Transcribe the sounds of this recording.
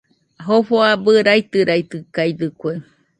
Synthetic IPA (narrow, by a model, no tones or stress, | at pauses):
ɦofoabɨɾajt̪ɨɾajt̪ɨkajd̪ɨkʷe